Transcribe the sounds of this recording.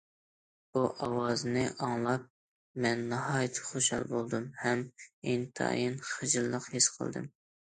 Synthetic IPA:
b̥uʔɑwɑzɨnɨʔɑŋlˠɑp̚ | mɛnːɑhɑːjt̪ʰɨ̥χoʃhɑ̰lˠbolˠd̪ɨmhɛmint̪ʰɑ̰jinχəd͡ʒɨlːˠəqhesqʰə̰lˠd̪ɨ̰m

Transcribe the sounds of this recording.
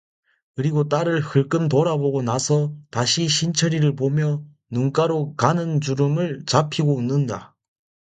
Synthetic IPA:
kɯɾiɡot͈aɾɯɭhɯɭk͈ɯmntoɾaboɡonasʰʌtaɕʰiɕʰint͡ɕʰʌɾiɾɯɭpomjʌ | nuŋk͈aɾokanɯnd͡ʑuɾɯmɯɭt͡ɕapʰiɡounːɯnda

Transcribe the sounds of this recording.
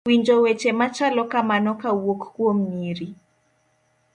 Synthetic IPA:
wiɲd͡ʒɔwet͡ʃemat͡ʃalɔkamanɔkawokkwom̩iɾi

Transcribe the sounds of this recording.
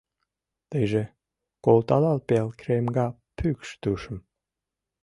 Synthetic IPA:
t̪ejʒe | kolˠt̪ɑlɑlpelkremɡɑ | pykʃt̪uʃə̆m

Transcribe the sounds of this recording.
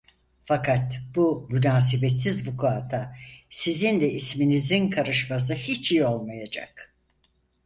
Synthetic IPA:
fakʰat̪bumynaːs̬ebɛt̪sizbukʰaːt̪ʰasizind̪ɛisminizinkʰaɾɯʃmas̬ɯhit͡ʃijo̞lˠmajad͡ʒa̰k

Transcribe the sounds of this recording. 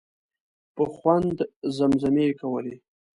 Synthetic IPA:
pəxwand̪zamzamekawəle

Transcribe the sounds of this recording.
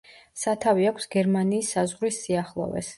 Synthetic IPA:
sat̪ʰaviakʷʰsɡɛɾmaniːsːazʁɾisːiaχlˠɔ̰vɛ̰s

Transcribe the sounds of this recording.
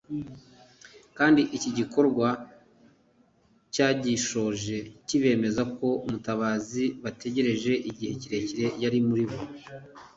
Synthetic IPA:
kaːndiʔiciɟiko̞ɾɡwa | caːɟiʃo̞ʒe̞ciβe̞ːme̞zako̞umutaβaːziβate̞ɟe̞ɾe̞ʒe̞ʔiɟihe̞ciɾe̞ciɾe̞jaɾimuɾiβo

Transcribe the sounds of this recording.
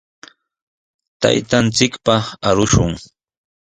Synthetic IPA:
t̪a̰jt̪ant͡sɪkpaaɾʊʃʊŋ

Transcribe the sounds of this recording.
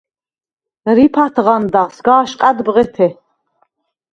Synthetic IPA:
ɾipʰat̪ʰʁand̪aʁsɡaːʃqʼad̪bʁɛt̪ʰɛ

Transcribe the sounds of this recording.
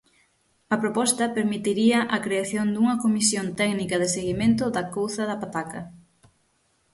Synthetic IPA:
ɐpɾopɔst̪ɐpeɾmit̪iɾiɐʔɐkɾeaθjond̪uŋɐkomisjont̪ɛɡnikɐðɪseɣimẽnt̪ʊðɐkowθɐðɐpat̪akɐ

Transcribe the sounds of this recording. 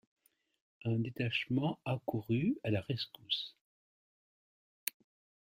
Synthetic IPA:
ɛ̃d̪et̪aʃmɑ̃akuʁyalaʁɛskus

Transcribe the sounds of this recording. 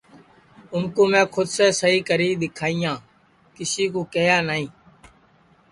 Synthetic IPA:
ʊmkoːmɛ̃ːkʰʊd̪seːsəɦiːkəɾiːɗ̪ɪkʰaːijãː | kɪsiːkoːkeːjaːnaːĩː

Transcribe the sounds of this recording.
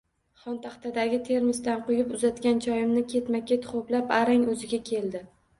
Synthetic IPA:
χɒnt̪ʰaχt̪ad̪aɡʲɪt̪ʰe̞ɾmɪst̪anqʊjɪpʊzat̪ɡʲant͡ʃʰɒjɪmnɪkʲʰe̞t̪makʲe̞t̪χoplapaɾaŋɵzɪɡʲakʲʰe̞ld̪ɪ

